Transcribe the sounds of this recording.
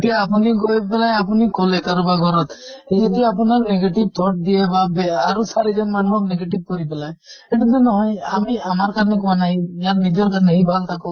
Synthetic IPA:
eʈijaːpuniɡojepelajapunikolekaɾɔbaɡʱɔɾɔt̪ed͡ʒɔd̪ioapɔnaɾneɡeʈib̚t̪ʰɔʈ̚d̪iebabeaɾusaɾid͡ʒɔnmanuɦɔkneɡeʈib̚kɔɾipelaj | eʈut̪enɔɦɔjamiamaɾkaɾnekɔmanajjaɾnid͡ʒɔɾkanejbʱalt̪akɔ

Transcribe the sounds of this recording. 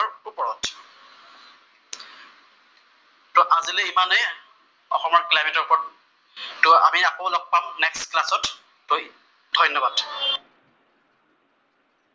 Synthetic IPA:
ɔɹupɔɹɔt | tʊʔazileimanɛ | ɔ̰xɔmɔɹklajmɛtɔɹpɔɹ | tʊa̰miakolɔk̚pamnɛksklasɔtː | oj | d̥ʱɔjnːɔbad

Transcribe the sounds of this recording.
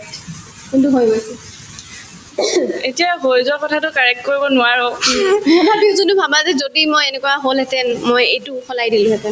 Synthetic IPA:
kuntuɦojɡojsɛ | etijaɦojzʊwakɔtʰatʊkaɹɛk̚t̚koɹibɔnʊaɹɔ | ɔbabizuntʊbʱabazɛzodimojenɛkʊwaɦolɦɛtɛnmojejtʊxʰɔlajdilʊ̃ɦɛtɛn

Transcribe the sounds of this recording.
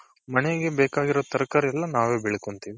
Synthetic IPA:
mɐnɛjɡebɛːkaːɡiɾot̪ɐɾɐkaːɾɛlːɐnaːʋeːbɛɭekont̪iːʋi

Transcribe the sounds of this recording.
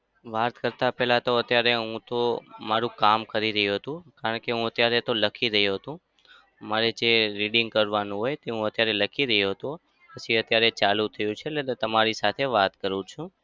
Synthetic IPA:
ʋat̪kəɾt̪apɛɦlat̪oət̪jaɾeɦũt̪omaɾũkamkəɾiɾəɦjuɦət̪ũkaɾəɳkeɦũət̪jaɾet̪oləkʰiɾəɦuɦət̪ũ | maɾed͡ʒeɾiɖɪŋɡ̚kəɾʋanũɦojt̪eɦũət̪jaɾeləkʰiɾəɦuɦət̪ũ | pət͡ʃʰiət̪jaɾet͡ʃalut̪ʰəjũt͡ʃʰeːet̪əmaɾisat̪ʰeʋat̪kəɾũt͡ʃʰũ

